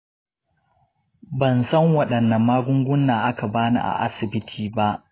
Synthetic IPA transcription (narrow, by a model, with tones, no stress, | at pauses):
bɐ˨nsɐ˦ŋwɐ˦ɗɐ˨nːɐ˨mːaː˦ɡʷʊ˦ŋɡʷʊ˦nːaː˨ʔa˦ka˨baː˦nḭ˨ʔa̰˨ʔa̰˦sɪ˨bɪ˦tʰiː˨ba˦ʔ